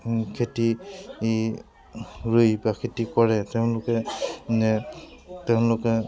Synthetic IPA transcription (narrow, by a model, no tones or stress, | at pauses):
kʰeti | ɹujbakʰetikɔɹɛtɛʊ̃lʊkɛnɛtɛʊ̃lʊkɛ